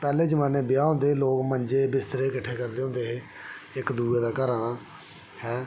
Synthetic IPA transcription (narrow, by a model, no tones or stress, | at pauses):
pɛːleːd͡ʒəmaːneːbɪjaːõːnd̪eːloːkməɲd͡ʒeːbɪst̪əɾeːkəʈʰːeːkəɾd̪eːɦõːnd̪eːɦeː | ɪkd̪uːeːd̪aːkəɾaːnaː | hɛ̃ː